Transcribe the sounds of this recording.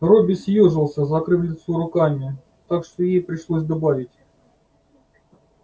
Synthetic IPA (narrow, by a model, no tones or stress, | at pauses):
robʲɪsʲjoʐɨlˠsʲəzɐkɾɨflʲɪt̪suɾʊkamʲɪ | t̪akʂt̪ojejpɾʲɪʂlˠosʲd̪ɐbavʲɪtʲ